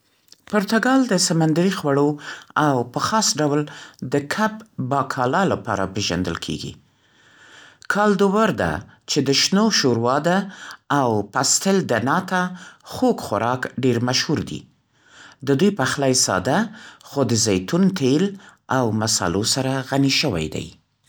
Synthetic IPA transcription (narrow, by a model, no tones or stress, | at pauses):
pʊɾt̪aɡɑld̪əsamand̪aɾixwaɽoawpəxɑsɖawld̪əkʰapbɑkʰɑlɑlapɑ̰ɾa̰peʒa̰nd̪ə̰lkʰḛɡḭ | kʰɑld̪ʊwaɾd̪a̰ | t͡ʃed̪əʃnoʃoɾwɑd̪aːwpast̪ɪld̪ənɑt̪axokxaɾɑkɖeɾmaʃhuɾd̪ḭ | d̪əd̪ujpəxlajsɑ̰d̪axod̪əzajt̪unt̪ʰelawmasɑ̰losaɾaɣaniʃəwa̰jd̪a̰j